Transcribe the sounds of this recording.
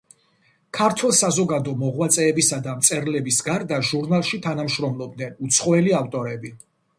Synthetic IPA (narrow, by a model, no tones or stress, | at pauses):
kʰaɾt̪ʰwɛlˠsazɔɡad̪ɔmɔʁwat̪sʼɛːbisad̪amt̪sʼɛɾlɛbisɡaɾd̪aʒuɾnalˠʃit̪ʰanamʃɾɔmlˠɔb̚d̪nɛnut̪sʰχɔɛliaft̪ʼɔɾɛbi